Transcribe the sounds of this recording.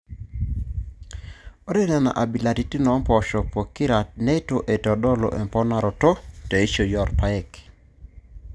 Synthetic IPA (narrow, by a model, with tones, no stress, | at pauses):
o˦ɾe˦nɛ˨na̰˨ʔa˨bi˨la˨ti˨ti˦nɔ˨˦mpɔ˨ʃɔ˨po˨ki˦ɾa˨nɛ˦to˨ʔe˨tɔ˨dɔ˦lo̰˨ʔɛ̰˨mpɔ˦na˨ɾɔ˨tɔ˦te˨i˦ʃo˨jɔ˨rpa˨ɛ˨k